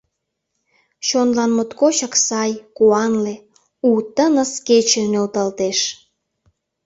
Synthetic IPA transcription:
ɕonlɑnmot̪kot͡ɕəksɑjkuɑnle | ut̪ənəsket͡ɕenølt̪ɑlt̪eʃ

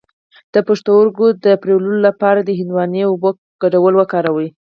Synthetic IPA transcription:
d̪̥əpaʂt̪oʊɾɡod̪əpɾewlulolapɑɾad̪əɦɪnd̪wɑneobo | ɡ̥aɖawəlwəkɑɾawəj

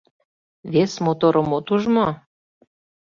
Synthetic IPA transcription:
βesmot̪oɾomot̪uʒmo

